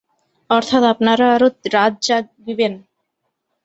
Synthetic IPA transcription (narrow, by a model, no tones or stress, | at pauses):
ɔɾt̪ʰat̪apnaɾaaɾoɾadd͡ʑad̪iben